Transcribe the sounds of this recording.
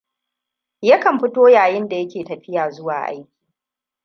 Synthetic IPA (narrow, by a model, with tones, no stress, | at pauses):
jɐ˦kɐ˨mɸɪ˦toː˦jaː˨jɪ˦nda˨jɐ˦kʲeː˨tɐ˨ɸɪ˦jaː˨zʊ˦wa̰ː˨ʔa̰˦jkʲi̥ː˨